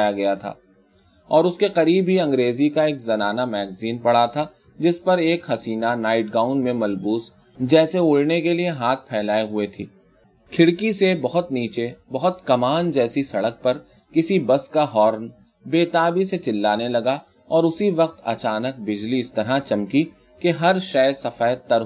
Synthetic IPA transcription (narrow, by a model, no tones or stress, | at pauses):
jaɡɐjat̪ʰa̰ː | ɔːɾʊskeqɐɾiːbɦiɐ̃ŋɡɾeːzikaeːkzɐnaːnamɛːɡziːnpɐɽat̪ʰa | d͡ʒɪspɐɾeːkhɐsiːnanaːɪʈ̚ɡaːʊ̃ɳɖmẽmɐlbuːs | d͡ʒɛːseʊɭnekelieɦaːt̪̚ʰpʰɛːlaːiɦʊet̪ʰḭː | kʰɪɽkisebɐɦʊt̪niːt͡ʃebɐɦʊt̪kɐmaːnd͡ʒɛːsisɐɽək̚pɐɾ | kɪsibɐskaɦɔːɾn | beːt̪aːbiset͡ʃɪlːaːnelɐɡa | ɔːɾʊsiʋɐqt̪ɐ̰t͡ʃaːnək̚bɪd͡ʒliɪst̪ɐɾat͡ʃɐmki | keɦɐɾʃɛːsɐfaːt̪ɐɾ